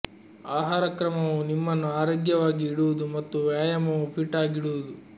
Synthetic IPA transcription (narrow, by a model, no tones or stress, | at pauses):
aːɦaːɾɐkɾɐmɐʋunimːɐnːuaːɾoːɡjɐʋaːɡiːɽuʋud̪umɐt̪ːuʋjaːjɐmɐʋupʰiʈːaːɡiɽuʋud̪u